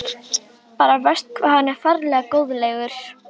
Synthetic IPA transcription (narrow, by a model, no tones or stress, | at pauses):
paːɾavɛr̥st̪̚kʰvaːðhanːɛɾ̥faɾlɛːɣakoːwðleːjɣʏɾ̥